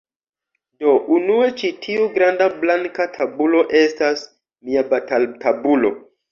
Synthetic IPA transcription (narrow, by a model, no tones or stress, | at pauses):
do̞ʔunue̞t͡ʃitʰiuɡɾandablaŋkatʰabulo̞ʔe̞stas | miabatatʰabulo̞̰